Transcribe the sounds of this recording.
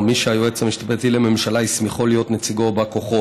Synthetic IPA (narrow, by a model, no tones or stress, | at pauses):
miʃeajuet͡samiʃt̪apet̪ileme̞mʃalaismiχolijo̞t̪net͡siɡo̞bako̞χo